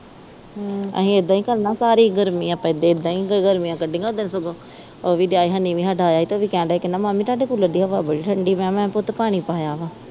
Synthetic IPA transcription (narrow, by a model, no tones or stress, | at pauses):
ə̰ɦĩːed̪ãːĩːkəlnãːsaːɾiːɡəɾmiːãːpɛ̃ːd̪eːɪd̪ːãːĩːɡɡəɾmĩjãːkəɖẽːŋɡaod̪ensʊɡoː | oʋiːɖjaːiːɦənːĩːʋĩːɦəɖaːjaːiːt̪oːʋiːkɛ̃ːɳɖaːkənãːmãːmiːt̪aːɖeːkuləɖiːɦəʋaːbəɽiːʈʰəɳɖiːmɛ̃ːmɛ̃ːpʊt̪paːɽ̃iːpaːjaːʋaː